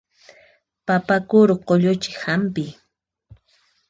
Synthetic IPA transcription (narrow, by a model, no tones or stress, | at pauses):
papakʊɾʊqoʎʊt͡ʃɪ̥hampɪ